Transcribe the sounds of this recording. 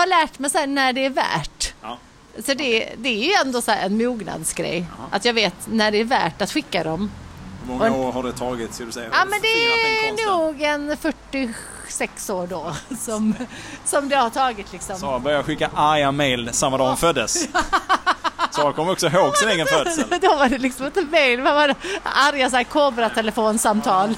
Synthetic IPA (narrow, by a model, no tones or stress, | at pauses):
haɭæːʈmɛjsæːɳæɖɛːɾvæ̰ːʈ | sɔd̪ɛd̪ɛæɾjɵɛnd̪oːsɔhæːɾɛnmuːɡna̰d̪sɡɾɛ̰jːʔa̰t̪jɑːɡveːt̪næɖɛːɾvæ̰ːʈːat̪ɧɪkːad̪ɔmhmɔŋɔaoːɾhaɖɛt̪ʰɑːɡɪt̪skald̪sɛɑːmɛnd̪ɛænuːɡɛnfœʈːɪ | sɛksoːɖɔsɔmsɔmd̪ɛhaʈʰɑːɡɪt̪ʰlɪksɔmɔbœɾjaɧɪkːaʔaɾjamejlsamːad̪ɑːɔmfœd̪ːəs | sɔankʰɔmːəɾɔksɔɦoːɡsɪneːɡənfœd̪d̪ɔvaɖɛlɪksɔmɛt̪ːəmɛjlvavaɾaɾjas̬akʰoːbɾat̪ʰɛləfoːnsamt̪ʰɑːl